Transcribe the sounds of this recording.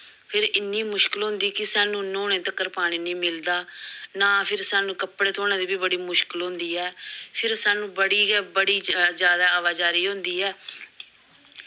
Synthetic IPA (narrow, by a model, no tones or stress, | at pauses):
pʰɪɾɪnːiːmʊʃkɪlɦʊ̃nd̪iːkɪsaːnũːnoːɽẽːt̪əkːəɾpaːɽ̃iːnĩːmɪld̪aːnaːpʰɪɾsaːnũːkəpɽeːt̪ʰoːñãːd̪iːbiːbəɽiːmʊʃkɪlɦʊ̃ːnd̪iːɛːpʰɪɾsaːnũːbəɽiːbəɽiːd͡ʒjaːd̪aːʋaːd͡ʒaːɾiːɦʊ̃nd̪iːɛː